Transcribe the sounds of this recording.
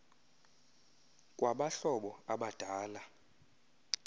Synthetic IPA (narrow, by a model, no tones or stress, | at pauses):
kʼwaɓaɬɔɓɔaɓad̥ʱaːla